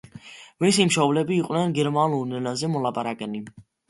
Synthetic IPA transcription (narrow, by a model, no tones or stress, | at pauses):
visimʃɔvlɛbiːqʼnɛnɡɛɾmanulnɛlazɛmɔlapʼaɾakʼɛni